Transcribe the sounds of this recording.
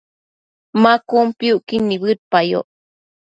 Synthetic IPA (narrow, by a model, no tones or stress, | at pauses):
makumpiuʔkinːiβɨt̪̚pajo̰ʔ